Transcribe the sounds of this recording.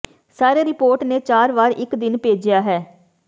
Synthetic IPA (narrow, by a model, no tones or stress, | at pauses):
saːɾeːɾɪpoːɾʈneːt͡ʃaːɾʋaːɾɪkd̪ɪnpeːd͡ʒɪjaːɦɛː